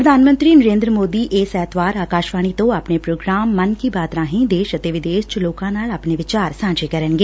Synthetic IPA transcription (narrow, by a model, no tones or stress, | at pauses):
pɾəd̪ʱaːnmə̃nt̪ɾiːnəɾẽːnd̪ɾəmoːd̪iːʔɪsɛːt̪ʋaːɾaːkaːʃʋaːɳ̃iːt̪õːaːpneːpɾoːɡɾaːmːənkiːbaːt̪ɾãːɦĩːd̪eːʃət̪eːʋɪd̪eːʃt͡ʃloːkãːnaːlaːpneːʋɪt͡ʃaːɾsãːd͡ʒeːkəɾənɡeː